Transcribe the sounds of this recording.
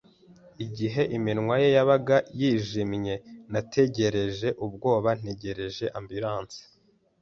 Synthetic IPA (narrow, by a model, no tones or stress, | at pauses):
iɟiɦe̞ʔiminŋwaje̞jaβaɡajiːʒimɲe̞natʰe̞ɟe̞ɾe̞ʒe̞ʔub̚ɡo̞ːβan̥e̞ɟe̞ɾe̞ʒe̞ʔambiɾaːnt͡se̥